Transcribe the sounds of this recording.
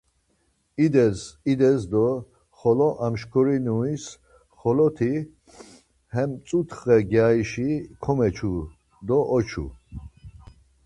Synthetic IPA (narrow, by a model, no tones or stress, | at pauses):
id̪ɛsid̪ɛzd̪ɔ | χɔlɔʔamʃkʰɔɾinuis | χɔlɔt̪ʰi | hɛmt͡s̪ʼut̪ʰχɛɡjaiʃikʰɔmɛt͡ʃʰu | d̪ɔʔɔt͡ʃʰṵ